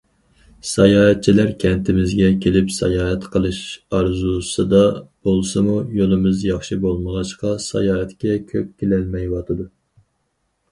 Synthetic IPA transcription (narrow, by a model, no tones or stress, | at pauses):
sɑjɑːɦɛt̪̚t͡ʃʰilæɾkʲʰɛnt̪ʰɪmɪzɡʲɛkʲʰelɪpsɛ̰jɑːɦɛt̪qʰəlˠɨʃɑɾzusɨd̪ɑb̥olˠsɨmujolˠɨmɨzjɑχʃibolˠməʁɑʃqɑsɑ̰jɑːɦɛt̪kʲɛkʲʰøp̚kʲelælmɛjwɑt̪ʰɨd̪u